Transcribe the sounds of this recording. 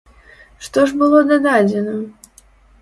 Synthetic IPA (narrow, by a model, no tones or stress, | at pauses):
ʂt̪oʐbɨlˠod̪ɐd̪ad͡zʲɪnə